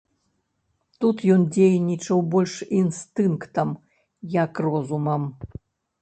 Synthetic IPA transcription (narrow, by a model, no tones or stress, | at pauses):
t̪ut̪jɔnd͡zʲejnʲit͡ʂɐwbɔlʲʂinst̪ɨnkt̪ɐm | jɐkrɔzumɐm